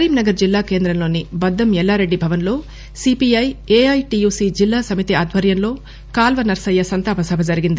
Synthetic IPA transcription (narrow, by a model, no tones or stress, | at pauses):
ɐɾiːmnɐɡɐɾd͡ʒilːaːkeːnd̪ɾɐmlo̞ːnibɐd̪ːɐmjɛlːaːɾe̞ɖːibʱɐʋɐnlo̞ː | sipiɐjeːɐjʈijuːsiːd͡ʒilːaːsɐmit̪iaːd̪ʱʋɐɾjɐnlo̞ː | kaːlʋɐnɐɾsɐjːɐsɐnt̪aːpɐsɐbʱɐd͡ʒɐɾiɡind̪i